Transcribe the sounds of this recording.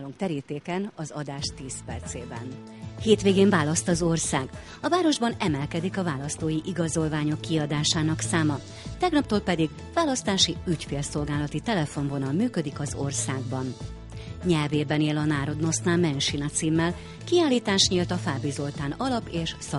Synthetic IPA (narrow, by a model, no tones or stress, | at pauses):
luŋk̚t̪ɛɾiːt̪eːkɛnɒzɒd̪aːʃt̪iːspɛrt̪seːbɛ̰n | heːt̪ʋeːɡeːɱvaːlɒst̪ɒzo̞rsaːɡ | ɒvaːɾo̞ʒbɒnɛmɛlkɛd̪ikɒvaːlɒst̪oːjiʔiɡɒzo̞lvaːɲo̞kːiɒd̪aːʃaːnɒksaːmɒ | t̪ɛɡnɒp̚t̪oːlpɛd̪iɡ | vaːlɒst̪aːʃiycfeːlso̞lɡaːlɒt̪it̪ɛlɛfo̞ɱvo̞nɒlmyːkø̞d̪ikɒzo̞rsaːɡ̚bɒn | ɲɛlveːbɛneːlɒnaːɾo̞d̪no̞snaːmɛnʃinɒt̪siːmːɛl | kiaːlːiːt̪aːʃɲiːlt̪ɒfaːbizo̞lt̪aːnɒlɒpeːʃsɒ